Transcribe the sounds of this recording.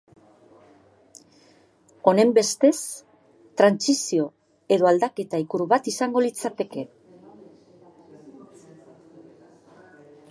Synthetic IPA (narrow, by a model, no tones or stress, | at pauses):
o̞ne̞mbe̞st̪e̞s | t̪ɾansisio̞ | e̞ðo̞ald̪ake̞t̪aikuɾuβat̪isaŋɡo̞lit͡sat̪e̞ke̞